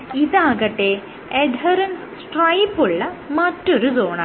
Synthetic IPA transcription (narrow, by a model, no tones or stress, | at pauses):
iðaːɣɐʈːe | eɖɦɐɾɐnssʈrɐjpːuɭːɐmɐtːoɾuzoːɳɐ